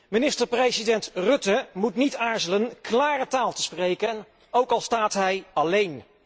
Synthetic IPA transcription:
mɪnɪstəɹprejzidɛntrɵtəmutnitaːɹzələnklaːrətaːlˠtəsprejkən | owkɑlˠstaːtɦɛjɑlejn

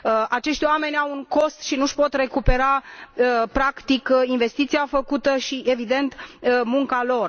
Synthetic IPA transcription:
at͡ʃe̞ʃt̪ʲoame̞nʲawuŋko̞st̪ʃinuʃpo̞t̪re̞kupe̞ɾa | pɾakt̪ikinve̞st̪it̪siafəkut̪əʃiʔe̞vid̪e̞nt̪muŋkalo̞r

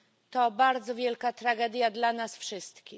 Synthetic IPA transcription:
t̪ɔbaɾd̪zɔvʲjɛlkat̪ɾaɡɛd̪ʲjad̪lanasfʂɘst̪kʲi

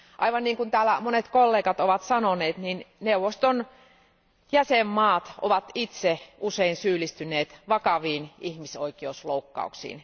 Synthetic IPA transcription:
ʔɑ̰iʋɑnniːŋkunt̪æːlːæmonet̪kolːeːkɑt̪oʋɑt̪sɑnoneːt̪ninneuʋːost̪on | jæsemːɑːt̪o̰ʋɑt̪it̪seuseinsyːlist̪ynˑeːt̪ʋɑkɑʋiːnihmisoikiousloukːɑ̰ṵksḭːn

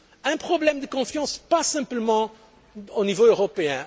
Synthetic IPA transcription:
ɛ̃pχɔblɛmd̪əkɔ̃fjɑ̃spasɛ̃pləmɑ̃ | onivoøʁɔpeɛ̃

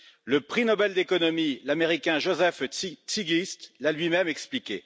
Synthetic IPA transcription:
ləpχinɔbɛld̪ekɔnɔmilameʁikʲɛ̃ʒozɛfsiɡlist̪lalɥimɛmɛksplikʲḛ

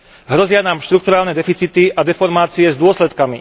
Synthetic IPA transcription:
ɦɾɔzɪanaːmʃt̪ɾuk̚t̪uɾaːlnɛd̪ɛfit͡sit̪iʔad̪ɛfɔɾmaːt͡siɛzd̪ʊɔslɛt̪kami

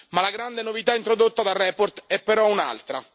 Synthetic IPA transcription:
malaɡɾand̪enovit̪aint̪ɾod̪ot̪ːad̪arːɛport̪ɛpːeɾɔuna̰lt̪ɾa̰

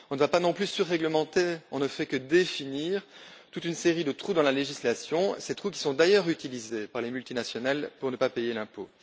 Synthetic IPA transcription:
ɔ̃nəvapanɔ̃plysyʁːɛɡləmɑ̃t̪eɔ̃nəfɛkəd̪efiniːʁt̪ut̪ynseʁid̪ət̪χud̪ɑ̃laleʒislasjɔ̃set̪χuk̬ʲi̥sɔ̃d̪ajœʁyt̪ilizepaʁlemylt̪inasjɔnalpuʁnəpapejelɛ̃po

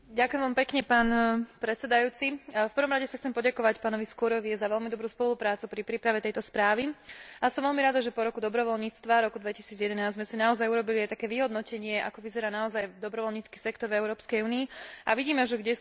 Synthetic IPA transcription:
ɟakʊjɛmʋampɛkɲɛpaːnpɾɛt̪t͡sɛd̪ajuːt͡sifpəɾ̩ʋɔmɾaɟɛsaxt͡sɛmpɔɟakɔʋacpaːnɔʋiskɔɾɔʋiɛzaʋɛʎmid̪ɔbɾuːspɔlupɾaːt͡supɾipɾiːpɾaʋɛt̪ɛjt̪ɔspɾaːʋiasɔmʋɛʎmiɾad̪aʒɛpɔɾɔkud̪ɔbɾɔʋɔlɲiːt͡st̪ʋaɾɔkud̪ʋɛcisiːd͡zjɛd̪ɛnaːzzmɛsinaɔzajuɾɔbiliajt̪akɛːʋiɦɔd̪nɔcɛɲɪɛʔa̰kɔʋizɛɾaːnaɔzajd̪ɔbɾɔʋɔlɲiːt͡ski̥sɛkt̪ɔɾɛʊɾɔːpskɛjuːniɛaʋiɟiːmɛʒɛɡɟɛ

